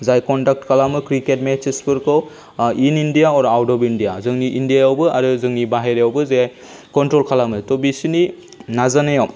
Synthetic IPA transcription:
zajkɔndak̚tkʰalamɯkɾiket̚met͡ʃespɯɾkɯw | inindijaɔɾawdɔbindijazɯŋniʔindijajawbɯaɾɯzɯŋnibaɦeɾejawbɯzajaj | kɔntɾɔlkʰalamɯtɔbisini | nazanajaw

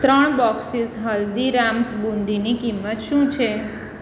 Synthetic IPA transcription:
t̪ɾəɳbɔksisɦəld̪iɾamsbũnd̪inikimːət̪ʃũt͡ʃʰe

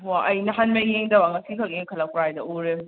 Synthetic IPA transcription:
waʔɐjnɐɦanmɐjeŋdɐbaŋɐsikʰɐk̚eŋkʰɐlɐkɾajdɐoɾe

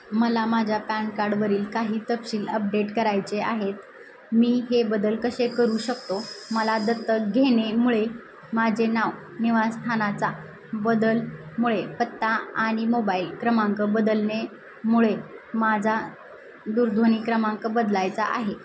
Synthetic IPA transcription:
məlamad͡ʑʱjapankaɾɖʋəɾiːlkaɦiːt̪əpɕiːləp̚ɖeʈkəɾajt͡seaɦet̪ | miːɦebəd̪əlkəɕekəɾuːɕəkt̪oməlad̪ət̪ːəɡʱeɽ̃emuɭe | mad͡ʑʱenaʋ | niʋast̪ʰanat͡sa | bəd̪əlmuɭepət̪ːaaɽ̃imobailkɾəmaŋkəbəd̪əlne | muɭemad͡zʱa | d̪uɾd̪ʱoniːkɾəmaŋkəbəd̪lajt͡sa̰ʔa̰ɦe

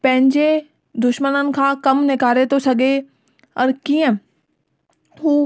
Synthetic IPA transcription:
pɐ̃ɦɪ̃ɲd͡ʑe | d̪ʊʃmənənɪ̆kʰãːkɐmnɪkaːɾet̪ʰosɐɡe | ɔːɾkiə̃ | ɦuː

